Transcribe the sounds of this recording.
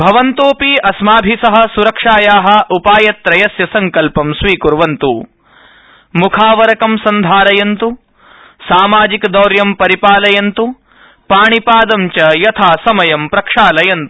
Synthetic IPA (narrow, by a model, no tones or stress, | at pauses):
bʱɐʋɐnt̪oːpiɐsmaːbʱisɐɦɐ̆suɾɐkʂaːjaːɦɐ̆ʔupaːjɐt̪ɾɐjɐsjɐsɐŋkɐlpɐmsʋiːkuɾʋɐnt̪u | mukʰaːʋɐɾɐkɐmsɐnd̪ʱaːɾɐjɐnt̪u | saːmaːd͡ʒikd̪ɐwɾjɐmpɐɾipaːlɐjɐnt̪u | paːɳipaːd̪ɐmt͡ʃɐjɐt̪ʰaːsɐmɐjɐmpɾɐkʂaːlɐjɐnt̪u̥